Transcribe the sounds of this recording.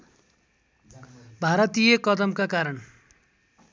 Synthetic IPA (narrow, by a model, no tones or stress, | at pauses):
bʱaɾʌt̪ijʌkʌd̪ʌmkakaɾʌn